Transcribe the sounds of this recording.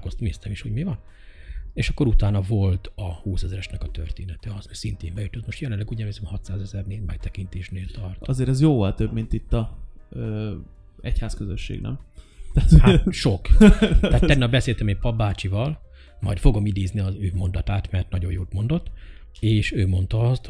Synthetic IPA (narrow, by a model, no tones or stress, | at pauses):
kost̪mist̪ɛmiʃhuɟmivɒn | eːʃɒkːoɾut̪aːnɒvo̞lt̪ɒhuːsɛzɾɛʃnɛkɒt̪ø̰rt̪eːnɛt̪ɛɒsosint̪ḛːmbɛjyt̪ot̪mo̞ʃt̪jɛlɛnlɛɡuːɟɛveːsɛmhɒt̪saːzɛzɛrneːdmɛt̪ɛkint̪eːʃneːlt̪ɒrt̪ɒzeːɾɛzjoːvɒlt̪øbmint̪it̪ːɒøː | ɛ̰chaːskøzøʃːḛːɡnɛ̰mt̪aːt̪ohʃo̞k̪ɛat̪ɛnːɛbɛseːlt̪ɛmeːmpɒbːaːt͡ʃivɒl | mɒ̰jt̪fo̞ɡo̞mid̪eːzniɒzøːmo̞nd̪ɒt̪aːt̪mɛrt̪nɒɟo̞̰joːt̪mo̞nd̪o̞t̪ː | eːʃøːmo̞nt̪ɒɒst̪